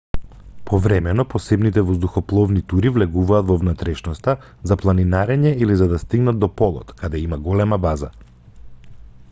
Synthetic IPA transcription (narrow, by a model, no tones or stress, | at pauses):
pʰɔvɾɛmɛnɔpɔsɛbnit̪ɛvɔzd̪uxɔplˠɔvnit̪uɾivlɛɡuvaːt̪vɔvnat̪ɾɛʃnɔst̪a | zaplˠaninaɾɛɲɛilizad̪ast̪iɡnad̪̚d̪ːɔpɔlˠɔ̰t̪kad̪ɛimaɡɔlɛmabaza